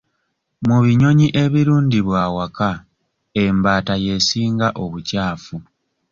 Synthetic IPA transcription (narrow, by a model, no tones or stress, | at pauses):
muβiɲo̞ɲiʔe̞βiɾuːndiβwaːwaka | embaːtaje̞siːŋɡaʔo̞βucaːfu